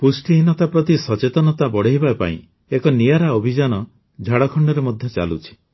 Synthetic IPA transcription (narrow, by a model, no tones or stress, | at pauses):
pusʈiɦinɔt̪apɾɔt̪isɔt͡ʃet̪ɔnɔt̪abɔɽeɦibapa̰ḭ̃ | ekɔnijaɾaobʱid͡ʒanɔ | d͡ʒʱaɽɔkʰɔɳɖɔɾemɔd̪ʱjɔt͡ʃa̰lut͡ʃʰi̥